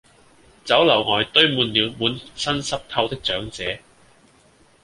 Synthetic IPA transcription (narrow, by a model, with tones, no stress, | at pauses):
t͡sɐ˨˥wlɐ˨˩wŋɔː˨˧jt̪ɵ˥ɥmuː˨˧nliː˨˧wmuː˨˥nsɐ˥nsɐ˥p̚t̪ʰɐ˧wt̪ɪ˥k̚t͡ʃœː˨˥ŋt͡sɛː˨˥